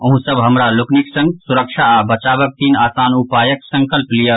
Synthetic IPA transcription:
ʊ̃ɦũsəbʱɦɐmɾalʊknɪksə̃ŋɡsʊɾəkʃabɐt͡ʃaːbək̚t̪iːnaːsaːnupaːjəksɐ̃ŋkəlplija

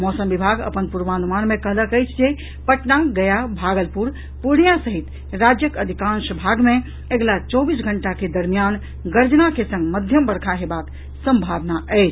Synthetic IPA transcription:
mɔsəmbibʱaɡə̰pənpuɾʋaːnumanmẽkəɦləkəjt͡ʃʰd͡ʒe | pəʈnaɡəjabʱaɡəlpuɾ | puɽ̃ijasəɦit̪ | ɾad͡ʒjəkəd̪ʱikãnʃbʱaɡmẽ | eɡlat͡ʃɔbisɡʱəɳʈaked̪əɾmijan | ɡəɾd͡ʒnakesə̃ŋɡməd̪ʱjəmbəɽkʰaɦebak | sə̃mbʱaʋnaəjt͡ʃʰ

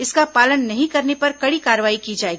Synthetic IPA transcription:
ɪskapaːlənːɐɦĩkɐɾnepɐɾkɐɽikaːɾəʋaːikid͡ʒaːeːɡiː

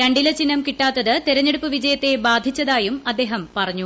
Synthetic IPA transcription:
ɾɐɳɖilɐt͡ɕinːɐmkiʈːaːt̪ːɐðɨt̪iɾɐɲːeɽupːɨʋid͡ʑɐjɐt̪ːe̞baːd̪ʱit͡ɕːɐðaːjumɐd̪ːe̞ːɦɐmpɐrɐɲːu

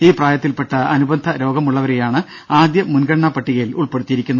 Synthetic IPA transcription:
iːpraːjɐt̪ːilpeʈːɐɐnubɐnd̪ʱɐɾo̞ːɡɐmuɭːɐʋɐɾejaːɳɨ | aːd̪jɐmunɡɐɽɐɳaːpɐʈːiɣɐjiluɭpe̞ɽut̪ːijiɾikʲːunːɐ

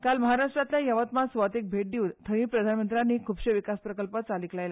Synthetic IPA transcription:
kalməɦaɾaʂʈɾat̪ljajəʋət̪masʋat̪ek̚bʱeʈ̚d̪iunt̪ʰəʋĩpɾəd̪ʱanmənt̪ɾanːiːkʰuːbɕeʋikaspɾəkəlpət͡saliklajla

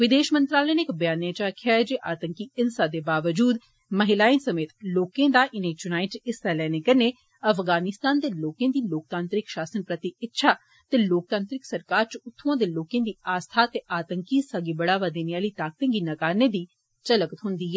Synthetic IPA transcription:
ʋɪd̪eːʃmə̃nt̪ɾaːlɛːneːkbjaːnjaːt͡ʃaːkʰjaːd͡ʒeːʔaːt̪əŋkiːɪnsaːd̪eːbaːʋəd͡ʒuːd̪ | məɦɪlaːinsəmeːt̪loːkẽːd̪aːʔɪnẽːt͡ʃʊnaːiʈɪsɛːlɛːnekəɾneː | əfʰɡaːnɪst̪aːnd̪eːloːkẽːd̪iːloːk̚t̪ãːnt̪ɾɪkʃaːsənpɾət̪ɪɪtːʃʰaː | t̪eːloːk̚t̪ãːnt̪ɾɪksəɾkaːɾt͡ʃʊt̪ʰːoãːd̪eːloːkẽːd̪iːaːst̪ʰaːt̪eːʔaːt̪əŋkisaɡiːbəɽaːʋaːd̪eːnijaːliːt̪aːk̚t̪ẽŋɡiːnəkaːɾneːd̪iː | t͡ʃələkət̪ɦʊnd̪iːɛː

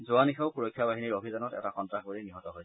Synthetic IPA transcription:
zʊanixʰaʊkuɹojkʰːjabaɦiniɹobʱizanɔtɛ̰taxɔntɹaxboliniɦɔtɔɦojsɛ

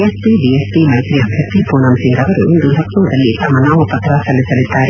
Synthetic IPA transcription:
espiɖiesʈimɐjt̪ɾiɐbʱjɐt̪ːipuːnɐmsiŋɡɐʋɐɾṵʔind̪ulʱɐkːuːd̪ɐlːit̪ɐmɐnaːʋupɐt̪ɾɐsɐlːisɐlid̪ːaːɾe

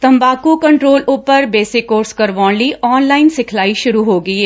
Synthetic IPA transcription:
t̪ɐ̃mbaːkukɐ̃ɳʈɾoːlʊpəɾbeːsɪkːoːɾskɐɾʋɔːliʔɔːnlaːɪnsɪkʰlaːiʃʊɾuɦoːɡəieː

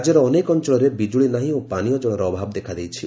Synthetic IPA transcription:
d͡ʒɔɾɔːnekɔnt͡ʃɔɭɔɾebid͡ʒuɭinaɦĩõpanijɔd͡ʒɔɽ̃ɔɾɔːbʱabd̪ekʰad̪ejt͡ʃʰi

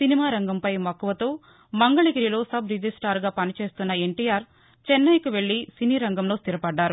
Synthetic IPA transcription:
sinimaːɾɐŋɡɐmpɐjmɐkːuʋɐt̪o̞ː | mɐŋɡɐɭiɡiɾilo̞ːsɐbɾid͡ʒisʈaːɾɡaːpɐnit͡ʃe̞ːst̪unːɐe̞ɳʈijaːɾ | t͡ʃɛnːɐjkuʋe̞ɭːisiniːɾɐŋɡɐmlo̞ːst̪iɾɐpɐɖːaːɾu

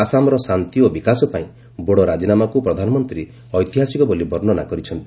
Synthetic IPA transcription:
asamɔɾɔsant̪iobikasɔpaĩ | boɽɔɾad͡ʒinamakupɾɔd̪ʱanɔmɔnt̪ɾi | ɔjt̪iɦasikɔbolibɔɾnɔna̰kɔɾit͡ʃʰɔnt̪i

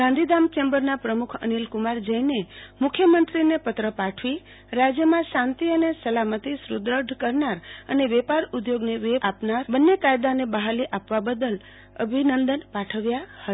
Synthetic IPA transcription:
ɡãnd̪ʱid̪amt͡ʃɛmbəɾnapɾəmukʰə̰nilkumaɾd͡ʒəjnemʊkʰjəmənt̪ɾinepət̪ɾəpaʈʰʋi | ɾad͡ʒjəmãsãnt̪iənesəlamət̪isɾud̪ɾəɖkəɾnaɾəneʋɛpaɾud̪joɡneʋeapnaɾbənːekajd̪anebəɦaliʔapʋabəd̪əl | ə̰bʱinənd̪ənpaʈʰəʋjahə

